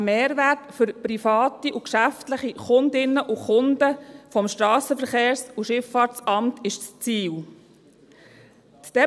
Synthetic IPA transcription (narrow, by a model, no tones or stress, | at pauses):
meːɾvætfʏɾpɾifɑːtiʔukʃæftləχiχʊndɪnːəʔuχʊndəfɔmʃtɾɑːsəfəɾχeːɾsuʃɪfɑːɾt͡sɑmtʰɪʃt͡st͡siːl | td̥ɛ